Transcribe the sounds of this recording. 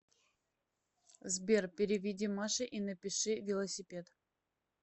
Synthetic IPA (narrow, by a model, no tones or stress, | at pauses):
zbʲerpʲɪɾʲɪvʲɪdʲimaʂɨʔinəpʲɪʂɨvʲɪlˠəsʲɪpʲe̞t̪